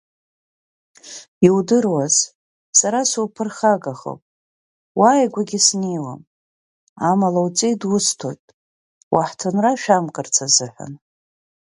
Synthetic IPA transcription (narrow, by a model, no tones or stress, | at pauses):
iwdɨrwaz̥ | saɾasupʰɨrχaɡaχo̰wpʼ | wajɡʷaɡʲɪsnejwam | amalawt͡sʼejdwʊstʰo̞̰jtʼ | wʔaħtʰonraʃᶣamkʼɨrt͡sʰazɨħʷᶣa̰n